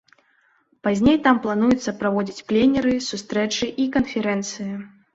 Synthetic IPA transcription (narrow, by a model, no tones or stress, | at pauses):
pazʲnʲejt̪amplˠanujut̪sːɐpɾavɔd͡zʲit͡sʲplʲenʲɛɾɨsust̪ɾɛt͡ʂɨʔikɐnfʲɛɾɛnt̪sɨji